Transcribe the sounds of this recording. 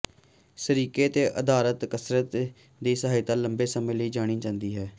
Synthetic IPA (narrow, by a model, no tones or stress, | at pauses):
səɾiːkeːt̪eːʔəd̪aːlət̪kəsɾət̪ | d̪iːsəɦaːit̪ãːləmbeːsəmẽːləiːd͡ʒaːɽ̃iːd͡ʒãːnd̪iːɦɛː